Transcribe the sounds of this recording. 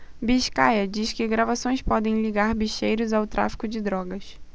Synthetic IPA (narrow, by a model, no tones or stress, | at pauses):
biʃka̰jɐd͡ʒiʃkɪɡɾavasõj̃spɔd̪ẽj̃liɡaɾbiʃejɾʊzawt̪ɾʔa̰fi̥kʊd͡ʒɪd̪ɾɔɡɐs